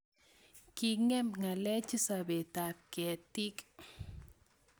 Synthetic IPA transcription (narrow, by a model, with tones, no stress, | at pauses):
ki˨ŋɛ˦mŋa˨lɛ˦t͡ʃi˦sabe˨t̪a˨p̚kɛ˨t̪i˦k